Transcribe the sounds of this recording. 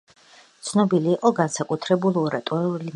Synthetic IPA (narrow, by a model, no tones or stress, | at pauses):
t̪sʰnɔbiliːqʼɔɡansakʼut̪ʰɾɛbulˠɔɾat̪ʼɛulin